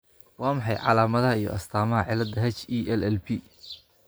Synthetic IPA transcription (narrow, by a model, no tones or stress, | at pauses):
wɑːmɑħɑjʕɑlaːmɐðɐɦɐijɔ̰ʔɐst̪ʰaːmɐɦɐʕɪlɐd̪ɐɦɛt͡ʃiʔɛlɛlbʰi